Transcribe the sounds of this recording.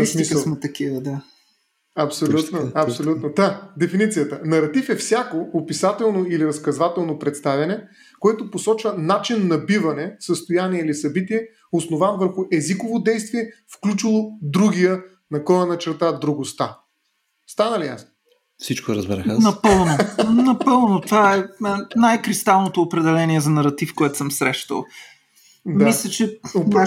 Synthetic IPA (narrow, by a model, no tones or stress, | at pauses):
smisɐlˠmɛt̪ɐkivəd̪a | ɐpsolʲut̪noɐpsolʲut̪nod̪ad̪ɛfinit̪sijət̪ənɐɾɐt̪ifɛfsʲjakoopisat̪ɛlˠnoiliɾəskɐzvat̪ɛlˠnopɾɛt̪st̪avʲɐnɛ | koɛt̪oposɔt͡ʃvənat͡ʃinːɐbivɐnɛsəst̪ojaniɛilisɐbit̪iɛ | osnovanvəɾxʊʔɛzikovod̪ɛjst̪viɛfklʲut͡ʃilˠod̪ɾuɡijə | nɐkɔjənɐt͡ʃɛɾt̪ad̪ɾuɡost̪a | st̪anəlija̰sno | fsit͡ʃkoɾɐ̰zbɛɾɛxnɐpɤlˠnonɐpɤlˠnot̪vaɛnajkɾist̪alˠnot̪oːpɾɛd̪ɛlɛniɛzɐnɐɾɐt̪ifkoɛt̪o̥səmsɾɛʃt̪ə̰lˠ | dmailʲɛt͡ʃɛoɾa